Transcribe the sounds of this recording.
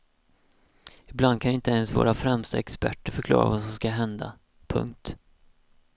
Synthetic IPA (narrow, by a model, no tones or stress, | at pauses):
ɪbland̪̚kʰanɪnt̪əɛnsvo̰ːɾafɾɛmst̪aɛkspæ̰ʈːəɾfœɾkʰlɑ̰ːɾa̰vasɔmskaɦɛnd̪a̰ | pʰɵ̰ŋk̚t̪